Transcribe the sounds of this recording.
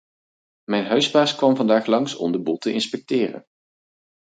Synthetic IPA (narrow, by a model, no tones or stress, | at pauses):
mɛjnɦœɥspaːskʋɑmvɑndaːχlɑŋsɔ̰mdəbulˠtəʔɪnspɛk̚tɪːrə̰n